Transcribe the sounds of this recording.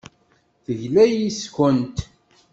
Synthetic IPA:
θəʝlæjiskənt̪

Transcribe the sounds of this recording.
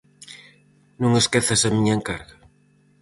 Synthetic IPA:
nũŋeskeθasɐmiɲɐeŋkaɾɣɐ

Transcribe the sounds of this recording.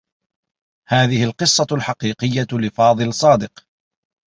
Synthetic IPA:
haːðɪhɪlqɨsˤːɑlħɑqiːqɪjːalɪfɑːðˤɨlsˤɑːd̪ɪq

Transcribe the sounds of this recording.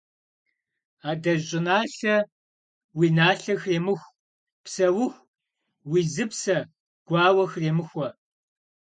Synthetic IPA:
aːdɐɕʼɪnaːɬɐ | wiːnaːɬɐxreːmɨxʷ | psɐwʊxʷ | wiːzɨpsɐ | ɡ̥ʷɑːwɐxreːmɨxʷɔ

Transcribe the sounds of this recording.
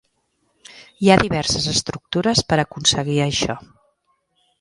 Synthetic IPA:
iaðiβ̞ɛɾsəzəst̪ɾuk̚t̪uɾəspəɾəkunsəɣiəʃɔ

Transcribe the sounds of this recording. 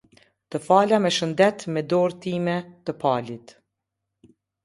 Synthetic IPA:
t̪əfalamɛʃənd̪ɛt̪mɛd̪ɔɾt̪imɛt̪əpalit̪

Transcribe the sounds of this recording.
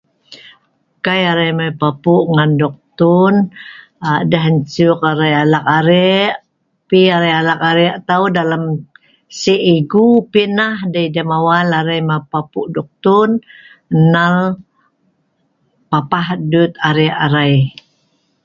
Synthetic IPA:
kajaɾajmapapuʔŋandɔk̚t̪un | adəɦəɲt͡ʃukaɾajalakaɾɛʔ | piaɾajalakaɾɛʔt̪audalam | siʔiɡupinahdajdamawalaɾajmapapuʔdɔk̚t̪un | nal | papahdut̪aɾɛʔaɾaj

